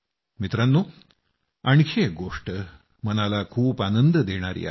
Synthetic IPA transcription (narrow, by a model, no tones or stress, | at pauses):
mit̪ɾanːuː | aɳ̃kʰeɡoʂʈə | mənalakʰuːpanənd̪əd̪eɽ̃aɾḭa̰